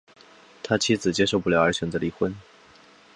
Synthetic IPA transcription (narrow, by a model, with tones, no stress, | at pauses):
t̪ʰa˥t͡ɕʰi˥d͡zɹ̩˨˩t͡ɕjɛ˥ʂo˥˧ʊpu˥˩ljɑ˥ʊə˞˧˥ɕɥɛ˨˩nd͡zə˧˥li˧˩xwə˥n